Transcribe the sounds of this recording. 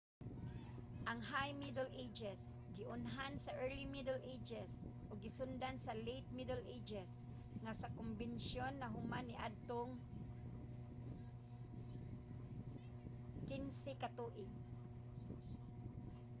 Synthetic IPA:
ʔaŋɦajmid̪əlʔed͡ʒɛs | ɡɪʔʊnɦansaʔɛɹlimid̪ɛlʔejd͡ʒɛsʔʊɡːɪsʊnd̪ansalejt̪̚mid̪ɛlʔed͡ʒɛs | ŋasakʊmbɪnsjonːaɦʊmanɪʔad̪̚t̪oŋ | kɪnsɪkat̪uʔɪɡ

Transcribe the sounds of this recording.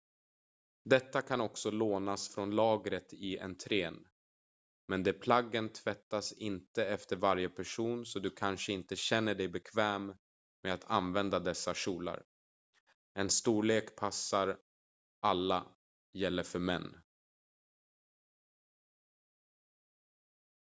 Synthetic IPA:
d̪ɛt̪ːakʰanɔksɔloːnasfɾɔnlɑːɡɾət̪ɪɛ̰nt̪ʰɾeːn | mɛnd̪ɛpʰlaɡːənt̪ʰv̥ɛt̪ːasɪnt̪əɛft̪əɾvaɾjəpʰæʂuːnsɔd̪ɵkʰanʂəɪnt̪əɕɛnːəɖɛjbɛkʰvɛːm | mɛat̪ʰa̰nvɛnd̪ad̪ɛsːaʂuːla̰ɾ | ɛnst̪uːɭeːkpʰasːaɾ | ʔalːa | jɛlːəɾfœɾmɛ̰nː

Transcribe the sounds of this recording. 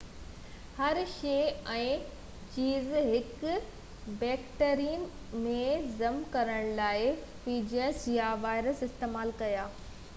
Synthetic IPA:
hɐɾʃeːɛ̃ː | t͡ɕiːzɦɪk | bɛːkʈəɾin | mẽzɐmkɐɾəɽ̃laːɪ | fiːd͡ʑəsjaʋaːɪɾəsɪst̪eːmaːlkɐjaː

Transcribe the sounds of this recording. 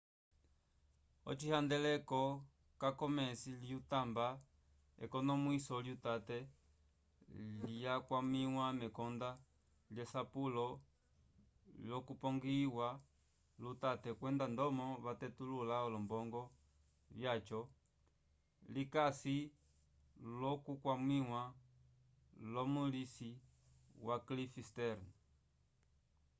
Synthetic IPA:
ɔ̰t͡ʃihand̪ɛlɛkɔ | kakɔmɛsiljut̪amba | ɛ̰kɔnɔmwisɔljut̪at̪ɛ | lijakwamiwamɛkɔnd̪a | ljɛsapulɔ | ljɔkupɔŋɡiwa | lutatɛkwɛndandɔmɔβatɛtululaɔlɔmbɔŋɡɔ | ljat͡ʃɔ | likasi | lɔkukwamwiŋwa | lɔmulisi | waklifistɛɾn

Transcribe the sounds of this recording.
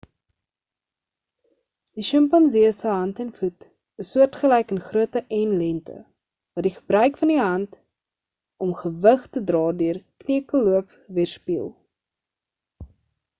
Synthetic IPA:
d̥iʃəmpɐnziəsəɦɐntɛnfut | əsːuərtχəlɛjkənχruətəʔɛnlɛntʰə̰ | vɐdiχəbrœɥkfɐndiɦɐnt | ɔmχəvəχtədrɑːdøərkniəkəluəp | viərspiəlˠ

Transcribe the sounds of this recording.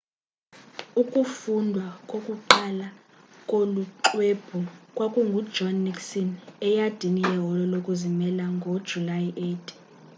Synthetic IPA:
ukʼufundʱwakʼokʼuǃala | kʼoluǃweb̥ʱukʼwakʼuŋɡʱud̥ʒʱɔnːiksɔnɛjad̥ʱinijɛɦɔlɔlokʼuzimɛlaŋɡʱod̥ʒ̥ʱulajiʔetʰ

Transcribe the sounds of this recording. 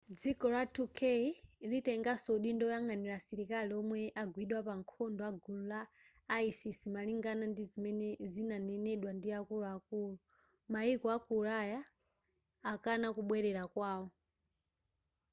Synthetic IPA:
d͡zikɔlatʰukʰeilitɛŋɡasoɗindɔjaŋɡaniɾasiɾikaliɔmwɛʔaɡwiɗwapaŋkʰɔndɔaɡullaː | isisimaliŋɡanandizimɛnɛzinanɛnɛɗwandiakulaakuːlu | maikɔakuɾajaː | kanakuɓwɛɾɛɾakwaːwɔ

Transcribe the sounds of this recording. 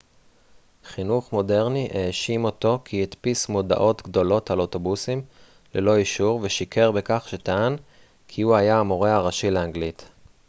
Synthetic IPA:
χinuχmo̞de̞ʁniʔeːʃimo̞to̞kʰiitpismo̞da̰ʔo̞tɡdo̞lo̞thaloto̞busim | lelo̞iʃuʁveʃikʰe̞ʁbekaχʃetaan | kʰiuajaːmoʁehaʁaʃileaŋɡlit

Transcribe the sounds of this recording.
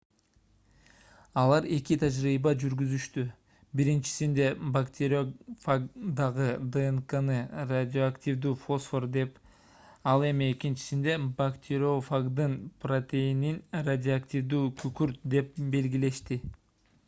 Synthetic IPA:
ɑlˠɑɾe̞kit̪ʰad͡ʒɾiːbɑd͡ʒyɾɡyzyʃt̪y | biɾint͡ʃi̥sind̪e̞bakt̪ʲʰeɾʲofaɡd̪ɑʁɯd̪eeŋkanɯradʲoaktʲivd̪uːfo̞sfo̞rd̪e̞p | ɑlˠe̞mie̞kint͡ʃi̥sind̪e̞bakt̪ʰʲeɾʲofaɡd̪ɯnprot̪ʲe̞jininradʲɪoaktʲivd̪uːkʰykyɾt̪̚d̪e̞p̚be̞lɡʲile̞ʃt̪i

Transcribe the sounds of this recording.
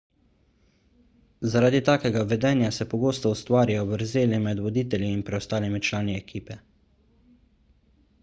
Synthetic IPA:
zaɾaːd̪it̪aːkɛɡaʋɛd̪ɛːnjasɛpɔɡoːst̪ɔust̪ʋaːɾajɔbəɾzeːlimɛd̪ʋɔd̪iːt̪ɛlʲjiːnpɾɛɔst̪aːlimit͡ʃlaːniɛkʰiːpɛ

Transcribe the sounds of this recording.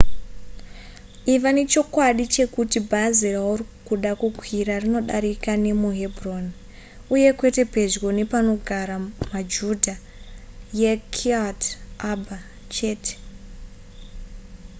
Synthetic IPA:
iʋane̞t͡ʃo̞kwaɗit͡ʃe̞kutibʱaziraurikuɗakuɡʱwiɾarino̞ɗaɾikane̞muɦe̞bʱron | uje̞kwe̞te̞pe̞ʐɡo̞ne̞pano̞ɡʱaɾamad͡ʒudʱa | jekʰiatabʱa | t͡ʃe̞ːte̥

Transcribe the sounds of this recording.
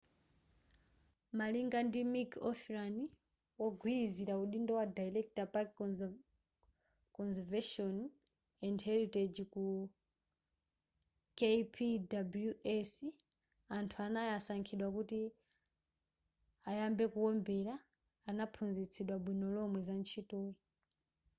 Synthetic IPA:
maliŋɡandimikʰɔfɾani | wɔɡʱwiiziɾauɗindɔwadajlɛktapak | kɔnzɛvɛʃɔn | ɛndhɛɾited͡ʒiku | kepʰidabljuʔɛs | antʰuanajasaŋkʰiɗwakuti | ajambɛkuwɔmbɛɾaː | napʰund͡zit͡sʰiɗwaɓwinɔlɔmwɛzant͡ʃʰitɔi

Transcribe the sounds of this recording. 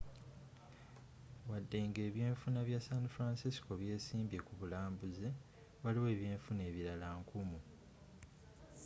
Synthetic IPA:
wadːe̞ːŋɡe̞ːβje̞ːɱfunaβjasanfɾaːnsisi̥ko̞βje̞ːsiːmbje̞kuβulaːmbuze | waliwe̞ːβje̞ːɱfune̞ːβiɾalaŋkumu

